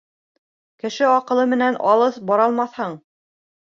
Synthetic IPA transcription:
kɘ̆ʃɘɑqɤ̆lˠɤmɘ̆nænʔɑlˠɤθbɑɾɑlˠmɑθhɤɴ

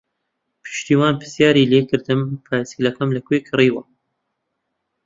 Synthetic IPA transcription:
pʰɨ̥ʃt̪iːwaːnpʰɨ̥sjaːɾiːleːkɨɾd̪ɨmpʰaːsilɐkɐmlɐkwekʰɨriːwɐ

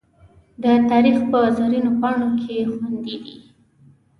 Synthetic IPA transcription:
d̪ət̪ɑɾixpəzaɾinopɑɳokʰexwand̪id̪ḭ

